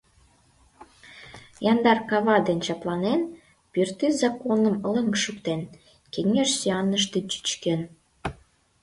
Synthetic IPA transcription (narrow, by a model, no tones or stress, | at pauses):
jɑnd̪ɑrkɑβɑd̪ent͡ɕɑplɑnen | pyrt̪yzɑkonəmələŋkʃykt̪en | keŋeʃsiɑnːəʃ̬t̪et͡ɕy̥t͡ɕken